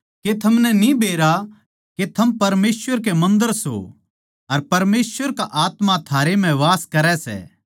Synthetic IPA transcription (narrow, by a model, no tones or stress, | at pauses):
ket̪ʰɐmnɛnibeːɾa | ket̪ʰɐmpɐɾmeːsʋəɾk̬emɐ̃nd̪əɾso̰ | ɐɾpɐɾmeːsʋəɾkaʔaːt̪mat̪ʰaːɾem̤ɛ̃ʋaːskɐɾɛsɛ̰ː